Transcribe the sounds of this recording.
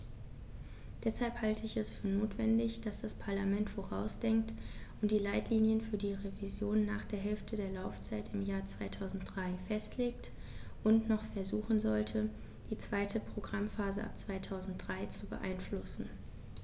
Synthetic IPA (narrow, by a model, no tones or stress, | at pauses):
d̥ɛshalphaltʰəɪçɛsfyːɐnoːtv̥ɛndɪçd̥asd̥aspʰaɐlamɛntfoʁaʊsd̥ɛŋk̚tʊnt̚d̥iːlaɪtliːnjənfyːɐdiːʁevizjoːnːa̰ːχd̥eːɐɦɛlftʰədeːɐlaʊft͡saɪtɪmjaːɐt͡sv̥aɪtʰaʊzn̩td̥ʁaɪfɛstʰleːktʔʊntnɔχfɛɐzuːxn̩zɔltʰə | d̥iːt͡sv̥aɪtʰəpʁ̥oɡʁamfaːzəʔa̰p̚t͡sv̥aɪtʰaʊzn̩t̚d̥ʁaɪt͡subə̰ʔa̰ɪnflʊsn̩